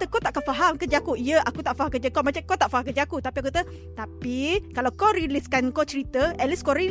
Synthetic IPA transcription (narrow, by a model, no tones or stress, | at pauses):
t̪əkɔt̪aʔkafaɦamkəd͡ʒakuʔijəʔakut̪aʔfaɦamkəd͡ʒəkomat͡ʃakot̪aʔfaɦamkəd͡ʒakut̪apiakut̪ə | t̪apikalawkɔɾiliskankot͡ʃəɾit̪əɛliskoɾi